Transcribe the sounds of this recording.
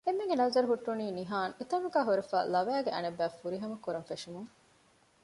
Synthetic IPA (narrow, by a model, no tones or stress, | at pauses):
emːeŋɡenɐzɐɾuɦuʈːuniːniɦaːnet̪ɐŋuɡæːɦuɾefæ̰ːlɐʋæːɡeʔɐ̰nebːæːfuɾiɦɐmɐkːuɾɐŋfeʃumuŋ